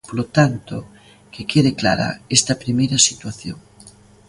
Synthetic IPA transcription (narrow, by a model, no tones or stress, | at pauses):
polot̪ant̪o | kekeðekla̰ɾa̰est̪ɐpɾimejɾɐsit̪waθjo̰ŋ